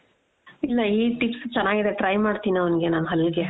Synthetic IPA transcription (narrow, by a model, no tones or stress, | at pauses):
ilːɐiːʈikst͡ʃɛnːaːɡid̪e̞ʈɾɐjmaːɖt̪iːnɐʋɐnɡe̞naːnɦɐlːɡe